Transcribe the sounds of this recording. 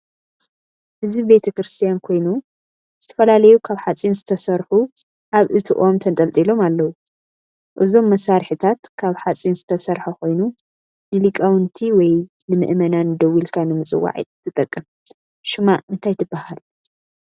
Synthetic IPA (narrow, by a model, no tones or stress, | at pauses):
hɨzbibe̞t̪ʰɐkɾɨst̪ʰijankʰo̞jnu | z̥ɨt̪ʰɐ̥fɐlalɐjukʰaβħat͡sʼinzɨt̪ʰɐsɐɾħu | ʔaβʔɨt̪ʰɨʔomt̪ʰɐnt̪ʼɐlt̪ʼilo̞malːɐwu | ʔɨzo̞mːɐsaɾħit̪ʰat̪kʰaβħat͡sʼinzɨt̪ʰɐsɐɾħakʰo̞jnu | nɨlikʼɐwɨnt̪ʰiwɔj | nɨmɨ̰ʔmɐnanɨd̪ɐwilkʰanɨmɨt͡sʼɨ̰wːa̰ʕḭt̪ʰːɨt̪ʼɐkʼːɨm | ʃɨmaʔʔɨnt̪ʰajt̪ʰɨbːahalu